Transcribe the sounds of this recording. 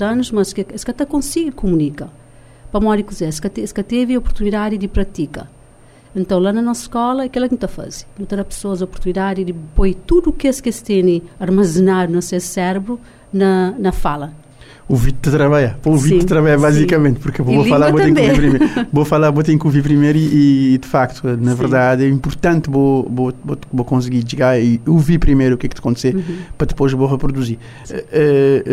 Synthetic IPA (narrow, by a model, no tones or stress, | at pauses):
zɐnuʃmɐskskɐt̪ɛkõsiɡɪkumunikɐ | pɾɐmɔdikuzɛskɐt̪skɐt̪eviɔpuɾt̪uniðad̪id̪ɪpɾɐt̪ikɐ̰ | ẽnt̪ɐ̃w̃lanɐnɔsɐʃkɔlˠɐɐkɛlˠɛknũt̪ɐfa̰zi̥nũt̪ɐɾapɨ̥soɐzɐɔpuɾt̪uniðad̪id̪ɪpojt̪ud̪uːkeskest̪enĩɐɾmɐzɨnaɾunɐsesɛɾbɾu | nɐnɐfalɐ | uvid̪̚d̪ɨt̪ɾɐβaʎɐpouvid̪ɨt̪ɾɐβaʎɐβazikɐmẽnt̪puɾkvofɐlˠaɾvot̪ẽkviipɾimevofɐlˠaɾvot̪ẽkuviɾp̬ɾimejɾiiːd̪ɨfakt̪u̥ɛnɐvɨɾðaðɛĩmpuɾt̪ɐ̃nt̪vovovovokõs̬ɨɡiʒɨɣaɾiuviɾpɾimejɾukɛk̚t̪ɐkõnt̪seɾpɾɐd̪ɨpojʃvoʁɨpɾud̪uziɾ | ɛ